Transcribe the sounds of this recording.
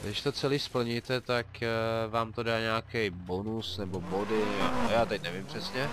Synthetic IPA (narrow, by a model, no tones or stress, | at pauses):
ɡdɪʃt̪o̞t͡sɛliːspl̩ɲit̪ɛt̪akvaːmt̪odaːɲaːkɛjbo̞nusnɛbo̞bodɪajaːt̪ɛcnɛvɪmpr̝̥ɛsɲɛ